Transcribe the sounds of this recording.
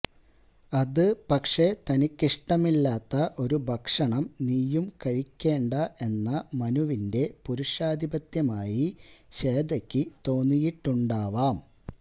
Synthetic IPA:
ɐðɨpɐkʂe̞t̪ɐnikʲːiʂʈɐmilːaːt̪ːɐʔo̞ɾubʱɐkʂɐɳɐmniːjumkɐɻikʲːe̞ːɳɖɐʔe̞nːɐmɐnuʋinde̞puɾuʂaːd̪ʱibɐt̪jɐmaːjiɕe̞ːd̪ɐkʲːit̪o̞ːnːijiʈːuɳɖaːʋaːm

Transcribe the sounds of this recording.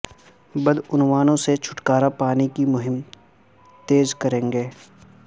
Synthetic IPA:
bɐd̪ʊnwaːnõset͡ʃʰʊ̥ʈkaːɾapaːnikimʊɦɪm | t̪eːzkɐɾẽːŋɡeː

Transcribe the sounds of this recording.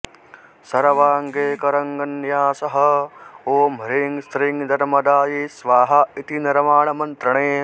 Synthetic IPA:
sɐɾɐʋaːŋɡeːkɐɾɐŋɡɐnjaːsɐɦɐoːmɐɾiŋst̪ɾiŋd̪ʱɐɾmɐd̪aːjisʋaːɦɐit̪inɐɾɐmaːɳɐmɐnt̪ɾɐɳeː

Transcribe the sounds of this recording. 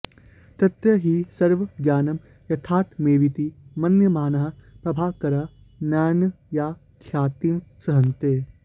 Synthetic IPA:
t̪ɐt̪ɾɐɦisɐɾʋɐɡjaːnɐm | jɐt̪ʰaːt̪meːʋit̪imɐnjəmaːnɐɦɐpɾɐbʱaːkɐɾaː | naːn | jaː | kʰjaːt̪iːmsɐɦɐ̃nt̪eː

